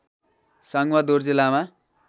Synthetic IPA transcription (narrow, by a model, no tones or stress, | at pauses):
sʌŋwʌd̪ord͡zilama